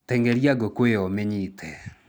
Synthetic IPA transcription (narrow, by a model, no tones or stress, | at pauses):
tɛŋɡɛɾjaɡokweɔmeɲitʰɛ